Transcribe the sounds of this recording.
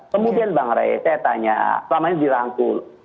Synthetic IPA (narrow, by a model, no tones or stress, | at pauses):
kəmudianbaŋɾa̰j̰sajat̪aɲa̰səlamaɲadiɾaŋkʊl